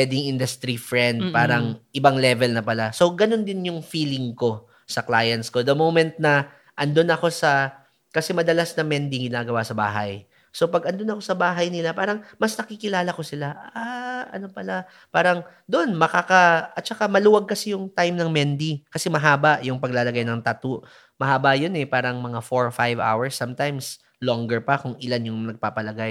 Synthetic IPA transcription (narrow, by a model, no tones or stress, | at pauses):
ɛd̪ɪŋʔɪnd̪ɐst̪ɾifɹɛnd̪̚paːɾɐŋʔɪbaŋlɛːvɛlnɐpɐlaso̞ɡɐno̞nd̪ɪnjʊŋfiːlɪŋko̞ | sɐklaːjɐnsko̞d̪ɐmowmɛnt̪̚nɐ | ʔɐnd̪o̞nɐko̞sɐ | kɐsɛmɐd̪ɐlasnɐŋmɛnd̪iŋɡɪnaːɡɐwasɐba̰ːɦɐ̰j | so̞pɐɡɐnd̪o̞nɐko̞sɐbaːɦɐjnɪlapaːɾɐŋmɐsnɐkiːkɪlaːlɐko̞sɪlaʔaʔɐ̰no̞pɐla | paːɾɐŋ | d̪onmɐkaːkɐʔɐt̪̚t͡ʃɐkamɐluːwɐɡ̚kɐsɛjʊŋt̪ajmnɐŋmɛnd̪ikɐsɛmɐɦaːbɐʔjʊŋpɐɡ̚laːlɐɡajnɐŋt̪at̪ʊʔ | mɐɦaːbɐjonɛpaːɾɐŋmɐŋafoɹfajva̰wɐɹsːamt̪ajms | loŋɡɛɹpɐkʊŋɪlanjʊŋnɐɡ̚paːpɐlɐɡaj